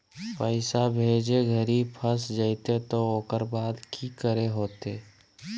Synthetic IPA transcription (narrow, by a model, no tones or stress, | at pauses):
pəɪsabʱeːd͡ʒeɡʱəɾipʰəsd͡ʒəɪt̪et̪ooːkəɾbaːd̪kʰikəɾeɦoːt̪eː